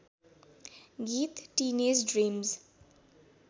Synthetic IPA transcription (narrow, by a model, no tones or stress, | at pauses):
ɡiːt̪ʈiːnezɖɾĩːmz